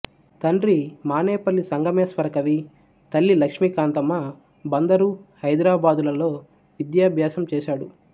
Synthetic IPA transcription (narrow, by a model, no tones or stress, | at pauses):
t̪ɐɳɾimaːneːpɐlːisɐŋɡɐmeːsʋɐɾɐkɐʋi | t̪ɐlːilɐkʂmikaːnt̪ɐmːɐ | bɐnd̪ɐɾuhɐjd̪ɾaːbaːd̪ulɐlo̞ː | ʋid̪jaːbʱjaːsɐmt͡ʃɛːʃaːɽu